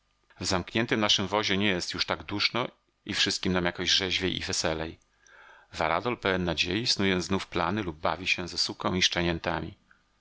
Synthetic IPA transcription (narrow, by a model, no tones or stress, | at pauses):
vzamkɲɛnt̪ɘmnaʂɘmvɔʑɛɲɛjɛst̪juʂt̪aɡd̪uʂnɔ | ifʂɘst̪̚kʲimnamjakɔʑʐɛʑvʲjejʔḭvɛsɛlɛj | vaɾa̰d̪ɔlpɛwɛnːad͡ʑejisnujɛznufpla̰nɘlub̚ːa̰vʲiɕɛzɛsukɔ̃w̃iʂt͡ʂaɲɛnt̪amʲḭ